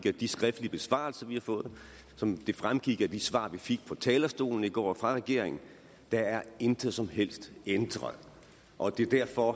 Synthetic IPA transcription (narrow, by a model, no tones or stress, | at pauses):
ɡ̥ɐd̥isɡ̥ʁɛfd̥liəb̥e̝sʋɑ̰̈l̩sɐʋihɑ̈fɔ̽ːð̩ˠ | sɒ̽md̥e̝fʁamɡ̥iɡ̥æd̥isʋɑ̰̈ːʋifeɡ̥̚pʰɒ̽t͡sʰɛːlɐsd̥o̝̰ːln̩iɡ̥ɒ̰ːfʁɑ̈ʁɛɡ̥e̝ɐ̰eŋn̩ | d̥ɑ̈æɐe̝nd̥ʰəðˠsɒ̽mɦel̰sd̥end̥ʁɐ̰ðˠ | ʔɒ̽d̥e̝d̥æɐ̰fɒ̽